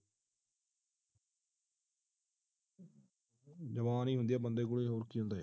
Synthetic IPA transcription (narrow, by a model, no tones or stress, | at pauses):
d͡ʒəʋaːnĩːɦʊ̃nd̪ɪjaːbənd̪eːkʊɭeːɦoːɾkiːɦʊ̃nd̪aːeː